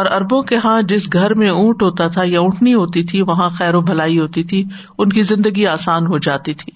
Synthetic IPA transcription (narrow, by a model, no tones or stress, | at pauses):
ɔːɾɐɾbõkeɦãd͡ʒɪsɡʱɐɾmẽũːʈɦoːt̪at̪ʰajaʊ̃ʈʰniɦoːt̪it̪ʰiʋɐɦãxɛːɾõbʱɐlaːiɦoːt̪it̪ʰi | ʊnkizɪ̃nd̪əɡiaːsaːnɦod͡ʒaːt̪it̪ʰiː